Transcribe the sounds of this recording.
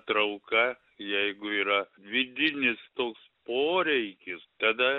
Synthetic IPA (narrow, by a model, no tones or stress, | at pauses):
t̪ɾɐʊkɐ | jɛɪɡʊiːɾɐʋʲɪd̪ʲɪnʲɪst̪oːkspoːɾʲɛɪkʲɪst̪ɐd̪ɐ